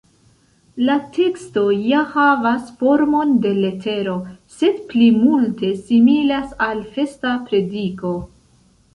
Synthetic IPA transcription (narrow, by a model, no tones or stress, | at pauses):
latʰe̞ksto̞jahavasfo̞ɾmo̞nde̞le̞tʰe̞ɾo̞se̞dplimulte̞similasalfe̞stapɾe̞diko̞